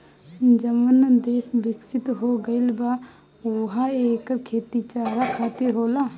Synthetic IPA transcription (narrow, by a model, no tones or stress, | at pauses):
d͡ʒəmənd̪eːsbɪksɪt̪ɦoɡəɪlbaː | oɦaeːkəɾkʰeːt̪it͡ʃaːɾakʰaːt̪ɪɾɦoːla